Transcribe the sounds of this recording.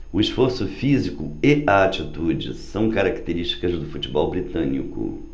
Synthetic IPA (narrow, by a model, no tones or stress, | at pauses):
ʊisfoɾsʊfizikʊɪaat͡ʃit̪ud͡ʒɪ̰sɐ̃w̃kaɾakt̪eɾiʃt͡ʃi̥kɐzd̪ʊfut͡ʃibɔwbɾit̪ɐ̃nḭkʊ̰